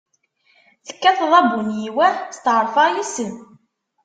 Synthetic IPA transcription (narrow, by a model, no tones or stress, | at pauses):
θə̥kːæθðˤɑbunjiwæst̪ʕəɾˤfɑjisən